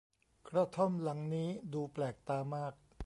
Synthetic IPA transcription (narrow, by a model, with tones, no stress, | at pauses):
kʰɾa˦˧˥t̪ʰo˥˩mla˩˦ŋniː˦˥duː˧plɛː˨˩k̚t̪aː˧maː˥˩k̚